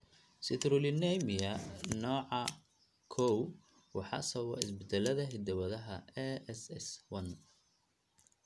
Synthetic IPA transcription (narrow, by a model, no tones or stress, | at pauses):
sɪt̪ɾʊlɪnɛjmɪjɐnɔːʕɑ | kʰɔw | wɑħɑ̰sɐwɐ̰ʔɪsbɪd̪ɛlɐðɐɦɪd̪ɐwɐðɐɦɐɛɛsɛswɐn